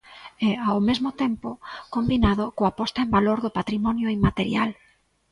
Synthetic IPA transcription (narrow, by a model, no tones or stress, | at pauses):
ɛawmezmʊt̪empokombinaðokoapɔst̪aembaloɾðʊpat̪ɾimɔnjoimat̪eɾjal